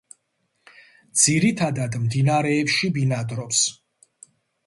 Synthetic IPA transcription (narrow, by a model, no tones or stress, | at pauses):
d̪z̥iɾit̪ʰad̪ad̪md̪inaɾɛːpʃibinad̪ɾɔps